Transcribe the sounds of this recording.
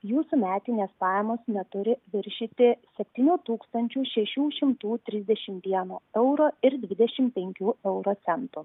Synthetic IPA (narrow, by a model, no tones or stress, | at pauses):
juːsumʲæːt̪ʲɪnʲeːspɑːjɛmoːsnʲɛt̪ʊɾʲɪʋʲɪɾʲʃʲit̪ʲɪsʲɛpʲt̪ʲiːnʲuːt̪uːkst̪ɐnʲt͡ʃʲuːʃʲɛʃʲuːʃʲɪmt̪uːt̪ʲɾʲɪzʲd̪ʲɛʃʲɪmʋʲiɛnoːɛʊɾoːɪɾd̪ʲʋʲɪd̪ʲɛʃʲɪmpʲɛŋʲkʲuːɛʊɾoːt̪sʲɛnt̪uː